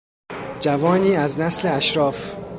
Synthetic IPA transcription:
d͡ʒævɒːniːæznæsleæʃɾɒːf

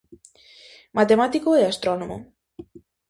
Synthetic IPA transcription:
mat̪emat̪ikoeast̪ɾonomo̰

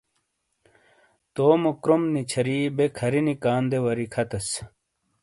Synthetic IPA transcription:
t̪oːmokɾomnit͡ɕʰɐɾiːbekʰɐɾinikaːnd̪ewɐɾikʰɐt̪ɐs

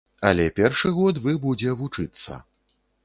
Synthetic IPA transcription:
ɐlʲɛpʲɛrʂɨɣɔt̪vɨbud͡zʲɛvut͡ʂɨt̪sːɐ̰

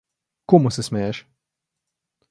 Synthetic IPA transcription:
koːmʊsɛsmɛjɛʃ

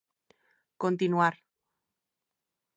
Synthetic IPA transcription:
kont̪inuaɾ

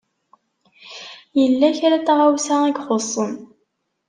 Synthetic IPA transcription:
jəlːæçaɾæt̪ːæʁawsæŋiɡχosˤːən

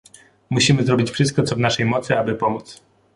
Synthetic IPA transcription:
muɕimɘzɾɔbʲit͡ɕfʂɘst̪̚kɔt̪sɔvnaʂɛjmɔt̪sɘabɘpɔmut̪s

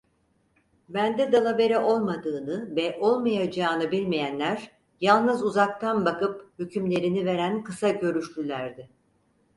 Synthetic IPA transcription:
bænd̪ɛd̪alˠabe̞ɾɛʔo̞lˠmad̪ɯːnɯvɛʔo̞lˠmajad͡ʒaːnɯbilʲmijænlʲæɾ | jalˠnɯzuzak̚t̪ʰanbakɯphycʰymlʲe̞ɾinive̞ɾænkɯsaɟø̞ɾyʃlʲylʲæɾd̪ɪ

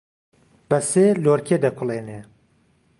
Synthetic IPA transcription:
bɐseːloːɾkʰed̪ɐkʷʰʊleːne

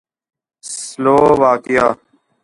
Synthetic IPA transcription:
sloːʋaːkɪjaː

